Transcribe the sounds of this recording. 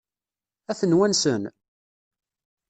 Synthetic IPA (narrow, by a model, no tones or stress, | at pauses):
æθənwænsən